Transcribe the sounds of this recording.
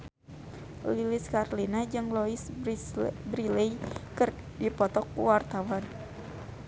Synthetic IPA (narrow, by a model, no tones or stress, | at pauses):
lilɪskarlinad͡ʒɨŋlɔis | bɾileikɨr | dipɔt̪ɔkuwart̪awan